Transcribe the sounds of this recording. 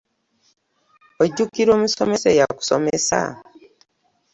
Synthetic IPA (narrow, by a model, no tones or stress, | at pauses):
oɟukiɾoːmisome̞sejaku̥so̰mesa̰